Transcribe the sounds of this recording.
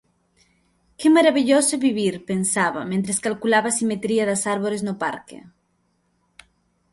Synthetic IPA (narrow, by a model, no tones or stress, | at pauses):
kemaɾaβiʎosoβiβiɾpensaβa̰mẽnt̪ɾeskalkulaβasimet̪ɾiaðasaɾβoleznopa̰ɾkḛ